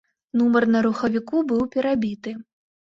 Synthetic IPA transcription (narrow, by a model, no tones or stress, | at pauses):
numɐrnɐɾuxɐvʲikubɨwpʲɛɾabʲit̪ɨ